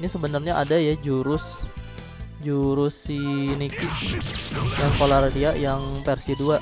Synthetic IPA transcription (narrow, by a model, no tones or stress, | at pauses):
inisəbənarɲaʔadajad͡ʒuɾʊs | d͡ʒuɾʊsːiniki | snɛskolardiaʔjaŋpɛrsiduaʔ